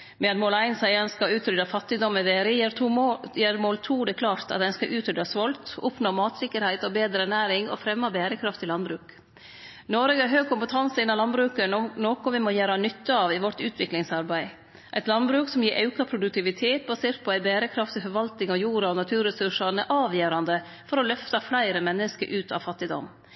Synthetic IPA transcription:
mɛɑt̪moːlæɪnsæɪɑnskɑʉːt̪ɾʏd̪ɑfɑt̪ːɪd̪ɔmɛʋeːɾəjeɾʰjeːɾmoːlt̪ʰuːd̪ɛkʰlɑːɾt̪ʰɑ̰t̪æɪnskɑʔʉːt̪ɾʏd̪ɑsʋɔlt̪ɔpnoːmɑːt̪sɪkːəɾhæɪt̪ɔbeːd̪ɾəɛɳæːɾɪŋɔ̰fɾɛmːɑbeːɾəkʰɾɑft̪ʰɪlɑnbɾʉːk | nɔɾɛɡəɑɾɦøːɡ̚kʰʊmpət̪ʰɑnsəɪnːɑlɑnbɾʉːkənnoːkɔʋɪmɔjæːɾɑnʏt̪ːəɑʋɪʋɔʈʉːt̪ʰʋɪklɪŋsɑɾbæɪ | ʔæɪt̪lɑnbɾʉːksɔmjiːɾʔɑʉkɑpʰɾʊd̪ʉk̚t̪ɪʋɪt̪ʰeːt̪̚bɑseːɾt̪̚pʰɔæɪbæːɾəkʰɾɑft̪ɪfɔɾʋɑlt̪ɪŋɔjuːɾɑɔnɑt̪ʰʉːɾɛsʉʂɑnəʔɑːʋjeːɾɑnd̪ə | fɔɾɔlœft̪ɑflæɪɾəmɛnːəskə̰ɾʔʉːt̪ʰɑ̰ʋfɑt̪ːɪd̪ɔ̰m

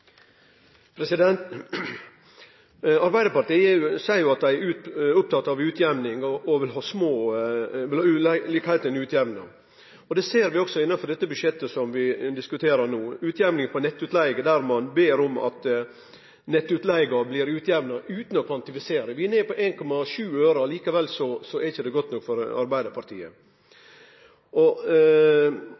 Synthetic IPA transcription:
pʰɾɛsɪd̪ɛnt̪ | ɑɾbæɪd̪əpɑʈiːəsæɪɾjʊɑt̪̚d̪æɪæɾʉːʊp̚t̪ʰɑt̪ːɑʋʉːt̪ʰjɛʋnɪŋɔɔʋɪlɦɑːsmoːʋɪlliːkhæɪlt̪æɪnʉːt̪ʰjɛʋnə̰ | ɔd̪ɛːseːɾʋɪɔksɔɪnːɑnfɔɖɛt̪ːəbʉʂjɛt̪ːəsɔmʋɪd̪ɪskʉt̪ʰeːɾənuːʉːt̪ʰjæʋnɪŋpʰɔnɛt̪ːʉt̪læɪɡəd̪æɾmɑnbeːɾʊmɑ̰t̪ | nɛt̪ːʉt̪læɪɡɑblɪːɾʉːt̪ʰjɛʋnɑʔʉːt̪n̩ɔkʰʋɑnt̪ɪfɪseːɾəʋɪɛneːpɔʔeːnkʰɔmːɑʂʉːøːɾɑliːkəʋɛlːsɔsɔɛɾɪçəd̪ɛɡɔt̪nɔkːfɔɾɑ̰ɾbæɪd̪əɾpʰɑɾt̪ʰḭːə̰ | ʔɔ

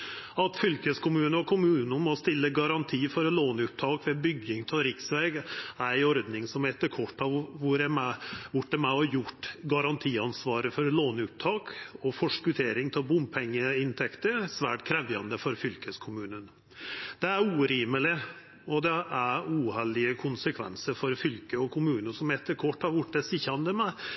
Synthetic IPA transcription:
ɑt̪fʏlkəskʰʊmʉːnəɾɔkʰʊmʉːnənmɔst̪ɪlːəɡɑɾɑnt̪ʰiːfɔɾloːnʉp̚t̪ʰɑːkʋɛbʏɡɪŋt̪ʰɪlɾɪksʋɛɡæɾæɪɔɾd̪nɪŋsɔmɛt̪ːəɾkʰɔʈːɑʋʋʊɾɛmɛʋʊʈːəmɛɔjʊʈːɡɑɾɑnt̪ʰiːɑnsʋɑːɾəfɔɾloːnʉːp̚t̪ʰɑːkɔfɔʂkʉt̪ʰeːɾɪŋt̪ʰɪlbʊmpʰɛŋːəɪnt̪ʰɛkt̪əɾsʋæːʈkʰɾɛʋjɑ̰nd̪əfɔɾfʏlkəskʰʊmʉːnən | d̪̥ɛæɾuːɾiːməlɪ | ɔd̪ɛʔæɾuːhɛlɪəkʰʊnsəkʰʋɛ̰nsəɾfɔɾfʏlkəɔkʰʊmʉːnəsɔmɛt̪ːəɾkʰɔʈːɑʋʊʈːɛsɪçɑnd̪əmɛ

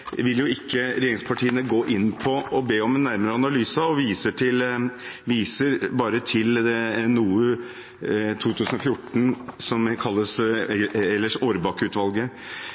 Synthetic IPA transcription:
ʋɪljʊɪkʰːəɾɛjeːɾɪŋspʰɑʈiːənəɡoːʔɪnːpʰɔɔbeːɔmɛnːæɾməɾəɑnɑlyːsɑɔʋiːsəʈʰɪlʋiːsəɾbɑːɾət̪ʰɪlnuː | t̪ʰuːt̪ʰʉːsən̩ɔfjʊʈːn̩sɔmkʰɑlːəs | ɛlːəʂoːɾbɑːkʉːt̪ʋɑlɡə

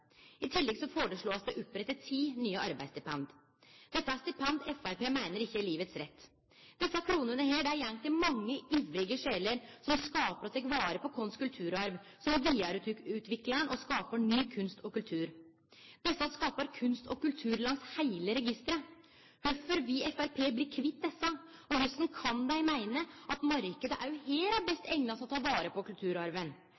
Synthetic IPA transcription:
ɪt̪ʰɪlːɛɡsɔfoːɾəʂɭoːɑsd̪ɛʔʊpːɾɛt̪ːət̪ʰiːnyːəʔɑɾbæɪsd̪ɪpɛnd̪ | d̪̥ɛt̪ːəæst̪ɪpʰɛnd̪ɛfæɾpeːmæɪnəɾɪçːəliːʋət̪sɾɛt̪ː | d̪̥ɛsːɑkʰɾuːnənəheːɖæːɾjɛŋt̪ɪmɑŋːəiːʋɾɪɡəʂeːləɾsɔmskɑːpəɾɔt̪ʰɛkʋɑːɾəpɔkʰɔnskʉlt̪ʰʉːɾɑɾʋ | sɔmʋiːɑɾʉt̪ʉːt̪ʋɪkləənʔɔskɑːpəɳyːkʰʉnst̪ɔkʉlt̪ʰʉːɾ | d̪̥ɛsːɑskɑːpəɾkʰʉnst̪ʰɔkʉlt̪ʰʉːɾlɑŋshæɪləɾɛɡɪst̪ɾə | høfɔɾʋiɛfæɾpʰeːblɪɾkʰʋɪt̪̚d̪ɛsːɑ | ɔhœst̪n̩kʰɑnd̪æɪmæɪnəʔɑt̪mɑɾkəd̪əʔæɾjʊheːɾæbɛst̪ɛŋnɑsɔt̪ʰɑːʋɑːɾəpɔkʉlt̪ʰʉːɾɑɾʋən

